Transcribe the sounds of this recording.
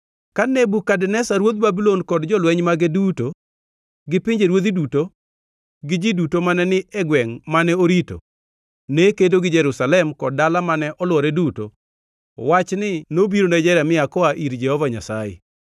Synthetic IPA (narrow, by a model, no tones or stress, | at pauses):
kanebukadnɛsaɾwod̪̚babilonkɔdd͡ʒɔlwɛɲmaɡeduto | ɡɪpɪɲd͡ʒeɾwod̪iduto | ɡɪd͡ʒidutomanɛnɪɛɡwɛŋmanɛoɾito̰ | nekedoɡɪd͡ʒɛɾusalɛmkɔd̚dalamanɛʔɔlwɔɾɛduto̰ | wat͡ʃnɪnobiɾonad͡ʒɛɾamɪakɔaʔiɾd͡ʒɛhɔvaɲasajɛ̰